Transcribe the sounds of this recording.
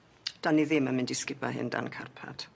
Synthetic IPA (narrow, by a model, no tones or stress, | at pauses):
d̥anːiðɪmamɪndɪskɪba̰ɦɪ̰nda̰nkʰa̰rpʰa̰d̥